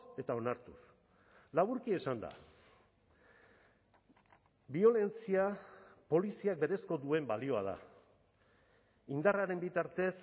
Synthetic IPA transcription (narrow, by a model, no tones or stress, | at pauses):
e̞t̪ao̞naɾt̪us | laβuɾkie̞sand̪a̰ | bio̞le̞nt͡siapo̞lisiak̚be̞ɾe̞sko̞ðue̞mbalio̞að̞a̰ | ind̪araɾe̞mbit̪aɾt̪e̞s